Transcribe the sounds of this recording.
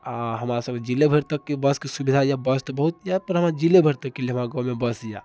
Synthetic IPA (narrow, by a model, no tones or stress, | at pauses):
aɦəmɾasəb̚ked͡ʒilebʱəɾt̪əkːebəskesubid̪ʱajabəst̪bəɦut̪japəɾɦəmɾad͡ʒilebʱəɾt̪əkːeleɦəmɾaɡɔ̃wmebəsja